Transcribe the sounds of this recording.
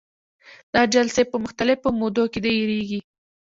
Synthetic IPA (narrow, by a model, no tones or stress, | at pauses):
d̪̥ɑd͡ʒalsepəmʊxt̪alɪfomod̪oked̪ejeɾeɡi